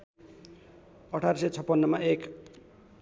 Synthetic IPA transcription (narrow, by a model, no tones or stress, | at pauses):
ʌʈʰarsʌjt͡sʰʌpːʌnːʌmaek